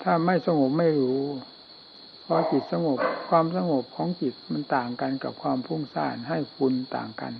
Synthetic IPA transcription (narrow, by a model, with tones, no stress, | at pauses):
t̪ʰaː˧˩ma˧˥˩jsa˧ŋo˨˩p̚ma˥˩jluː˨˩˦ | pʰɔː˧˦ki˨˩t̪̚sa˧ŋo˨˩p̚kʰwaː˧˨msa˧ŋo˨˩p̚kʰɔː˨˦ŋki˨˩t̪̚ma˧˥˨nt̪aː˨˩ŋka˨nka˨˧˩p̚kʰwaː˧mpʰu˧˥˩ŋsaː˧˩nɦa˥˩jfu˧nt̪a̰ː˨˩ŋka̰˨n